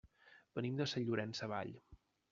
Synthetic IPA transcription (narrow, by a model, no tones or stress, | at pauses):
b̥ənimd̪əsəʎːuɾɛnsəβa̰ʎ